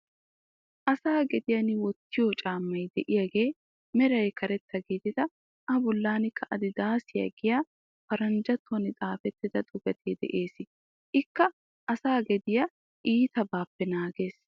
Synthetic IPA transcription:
ʔɐsaːɡɛd̪ɪjɐnɪwɔt̪ːɪjɔt͡ʃʼaːmːɐjd̪ɛʔɪjɐɡe̞ː | mɛɾɐjkʰɐɾɛt̪ːɐɡid̪ɪd̪ɐ | ʔɐbɔlːaːnɪkːɐʔɐd̪ɪd̪aːsɪjɐ̰ɡɪjaː | fɐɾɐnd͡ʒɐt̪ːɔnɪt͡sʼaːfɛt̪ːɪd̪ɐt̪ʼʊɡɐt̪ʰeːd̪ɛ̰ʔeːsɪ | ʔɪkːɐ | ʔɐsaːɡɛd̪ɪjɐ | ʔiːt̪ɐbaːpːɛnaːɡe̞ːs

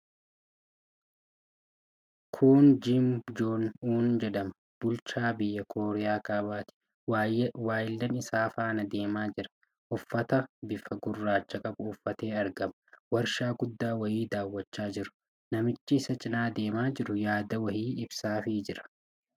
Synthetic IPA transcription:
kʰuːnd͡ʒɪmd͡ʒoːnuːnd͡ʒɛᶑ̪ɐmɐ | b̥ʊlt͡ʃaːbɪjːɐkʰo̞ːɾɛjaːkaːbaːt̪ɪ̥ | waːjɪlːɐnɪsaːfaːnɐd̪e̞ːmaːd͡ʒɪɾɐ̥ | ʔʊfːɐt̪ɐbɪfɐɡʊrːaːt͡ʃːɐkʼɐbʊfːɐt̪e̞ːɐɾɡɐmɐwɐɾʃaːɡʊd̪ːaːwɐhiːd̪aːwːɐt͡ʃːaːd͡ʒɪɾʊ̥ | nɐmɪt͡ʃːɪːsɐt͡ʃʼɪnaːd̪e̞ːmaːd͡ʒɪɾʊjaːd̪ɐwɐhiːɪbsaːfiːd͡ʒɪɾɐ̥

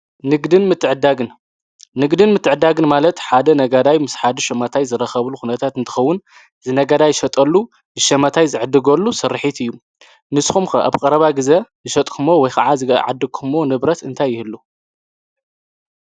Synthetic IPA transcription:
nɨɡd̪ɨnmɨt̪ʰːɨʕɨd̪aɡɨn | nɨɡd̪ɨnmɨt̪ːɨʕɨd̪ːaɡɨnmalɐt̪ħad̪ɐnɐɡad̪ajmɨsħad̪ɨʃɐmat̪ʰajzɨɾɐxɐβluxunɐt̪ʰat̪ɨnt̪ʰɨ̥xɐwːʊn | zɨnɐɡad̪ajɨʃɐt̪ʼɐlːu | zɨʃɐmat̪ʰajzɨʕɨd̪ɨɡɐlːusɨɾːɨħit̪ɨjːu | nɨsxumxɐʔa̰βkʼɐɾɐβaɡɨzɐzɨʃɐt̪ʼkʰɨmowɔjkʰɐʕazɨɡ̰ʕa̰d̪ːɨɡ̚kʰɨmonɨβɾɐt̪ɨnt̪ʰajːɪhɨlːu

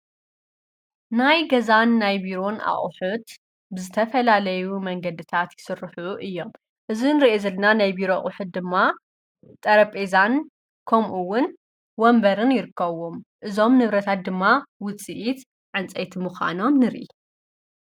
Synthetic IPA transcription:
najɡɐzanːajbiɾo̞nʔa̰χʼħut̪ | bɨzɨt̪ʰɐfɐlalɐjumɐŋɡɐd̪ɨt̪ʰat̪jɪ̥sɨrːħuʔɨjːo̞m | ʔɨzinɨɾiʔezɐlɐnanajbiɾo̞χʼʊħɨt̪̚d̪ɨmːa | t̪ʼɐɾɐpʼezan | kʰɐmʔuwʊn | wombɐɾɨnjɪɾɨkːɐβomʔɨzo̞mnɨβɾɐt̪ʰat̪̚d̪ɨmːawʊt͡sʼiʔit̪ | ʕɨnt͡sʼɐjt̪ʰimuxʷa̰no̞mnɨɾʔi

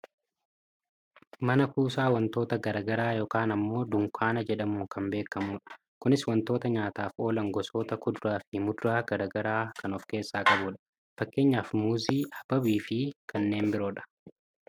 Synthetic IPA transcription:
mɐnɐkuːsaːwɐnt̪o̞ːt̪ɐɡɐɾaːɡɐɾaːjo̞ːkaːnɐmːo̞ːd̪ʊŋkʰaːnɐd͡ʒɛᶑɐmuːŋkɐmbe̞ːkːɐmuːᶑɐ̥ | kʊnɪswɐnt̪oːt̪ɐɲaːt̪aːfo̞ːlɐŋɡɔso̞ːt̪ɐkʊd̪ʊɾaːfɪmʊd̪ʊɾaːɡ̥ɐɾaːɡɐɾaːkʰɐnɔfke̞ːsːaːkʼɐbʊᶑɐ̥ | fɐkːe̞ːɲːaːfmuːziːhɐb̥ɐbiːfɪkʰɐnːe̞ːmbɪɾo̞ːᶑɐ̥

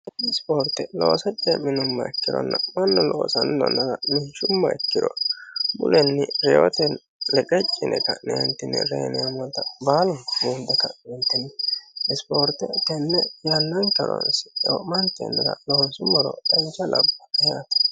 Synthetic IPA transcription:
ɐɪspoːɾt̪ːɛloːsɐt͡ʃʼːɛmɪnʊmːɐɛkːɪd̪ɔ̰nːɐmɐnːɔloːsɐndɔ̰nːɐdɐmɪʃʊmːɐɛkːɪd̪ɔnmʊlɛnːɪɾɛot̪ɛn | lɛkʼɛt͡ʃʼːɪnʔɛ̰kɐnḛːnt̪ːɪnːɪ̰ɾḛːnɛjɐmɔt̪ːɐbaːlɔnmuːnd̪ɛkːɐnɛnt̪ːɪnːɪɪspoːɾt̪ɛt̪ɛnːɛjanːɐnkɐɾɔ̰nsɪ̥o̰mɐnt̪ːɛ̰nːɐɡɐ̰loːnsʊmɔɾɔɛnt͡ʃːɐlɐ̰bːɐ̥ɛjat̪ɐ̥

